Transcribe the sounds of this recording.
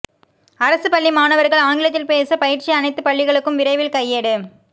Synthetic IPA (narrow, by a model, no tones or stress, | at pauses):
ɐɾɐsɯpɐɭːimaːnɐʋɐɾɣɐɭaːŋɡɪlɐt̪ːɪlpeːsɐpɐjɪɾt͡ʃɪɐnɐɪt̪ːɯpɐɭːɪɣɐɭɯkːɯmʋɪɾɐɪʋɪlkɐɪjːeːɽɯ